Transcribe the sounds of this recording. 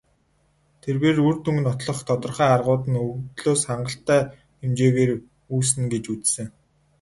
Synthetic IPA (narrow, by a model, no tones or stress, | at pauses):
t̪ʰerweːrurt̪ɵŋɡ̆nɔt̪ɮɞ̆χt̪ʰɔt̪ɞ̆rχæːarʁʊːt̪ə̆nɵɣt̪ɮoːsχaɴɢə̆ɬt̪ːæː | emt͡ɕeːɣeːr | uːs̬ɘ̆nɡet͡ɕut͡ssɘ̆ŋ